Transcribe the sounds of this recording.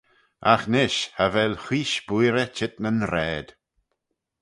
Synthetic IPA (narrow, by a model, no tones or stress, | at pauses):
axnɪʃhavɛlxiːʃbujɾət͡ʃɪt̪nənɾɛːd̪̥